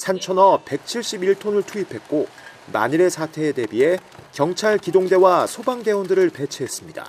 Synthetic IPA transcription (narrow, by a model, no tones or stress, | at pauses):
sʰant͡ɕʰʌnʌpe̞k̚t͡ɕʰiɭɕ͈ibiɭtʰonɯɭtʰuipʰe̞t̚k͈o | ma̰ɲiɾe̞sʰatʰe̞de̞bie̞kjʌŋt͡ɕʰaɭkidoŋde̞wasʰobaŋde̞ondɯɾɯɭpe̞t͡ɕʰeɦes͈ɯmɲida̰